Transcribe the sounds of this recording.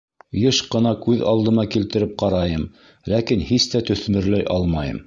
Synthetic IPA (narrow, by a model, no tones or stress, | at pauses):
jɤʃqɤ̆nɑkʉðɑ̰lˠd̪ɤ̆nɑkilt̪ɘ̆ɾɘp̚qɑɾɑjɤm | lækinhist̪æt̪ɵ̆θmɘ̆ɾlæjʔɑlˠmɑjɤ̰m